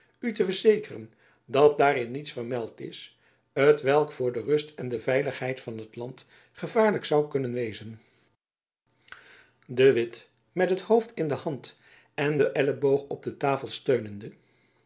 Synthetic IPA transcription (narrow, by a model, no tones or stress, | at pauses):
ytəvəɹzejkərə̰n | dɑt̚daːɾɪnːitsfərmɛlˠtɪ̰s | ɦətʋɛlˠkfʊːɹdərɵstɛndəvɛjləχɦɛjtfɑnɦətlɑnt | χəvaːɹləksɑwkɵnənʋejzən | dəʋɪt | mɛtɦəthowftɪndəhɑnt | ɛndəʔɛləbowχɔb̚dətaːfəlˠstøɥnəndə